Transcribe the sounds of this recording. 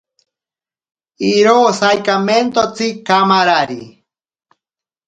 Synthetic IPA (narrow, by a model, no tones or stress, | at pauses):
iɾoːsajkament̪ot͡sikamaɾaɾḭ